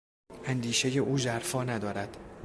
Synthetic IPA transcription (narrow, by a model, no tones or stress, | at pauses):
ʔænd̪iːʃeje̞ʔuːzæɾfɒːnæd̪ɒːɾæd̪̥